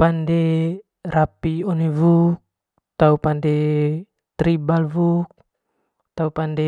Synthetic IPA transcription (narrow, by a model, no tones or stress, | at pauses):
pandɛ | rapiɔnevuk̚ | t̪aupandɛ | t̪ɾibalvuk̚ | t̪aupandɛ